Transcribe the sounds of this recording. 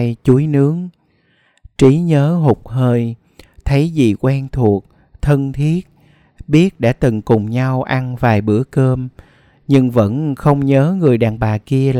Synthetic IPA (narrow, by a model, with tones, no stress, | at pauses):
jt͡ɕu˨˦jnɨ˨˦əŋ | t͡ɕi˨˦ɲəː˨˦ɦʊ˨˩k͡p̚ɦəː˧j | t̪ʰə˨˦jzḭ˨kwɛ˧nt̪ʰu˨˩ək̚ | t̪ʰə˧nt̪ʰi˦˥ət̚ | ɓi˦˥ət̚ɗa̰ː˧˥t̪ɨ˨˩ŋkʊ˨˩ŋ͡mɲa˧wʔa˧nvaː˨˩jɓɨ̰˧˥əkəː˧m | ɲɨ˧ŋvə̰˧˥nxə˧wŋ͡mɲəː˨˦ŋɨ˨˩əjɗa̰ː˨˩ŋɓaː˨˩ki˧əl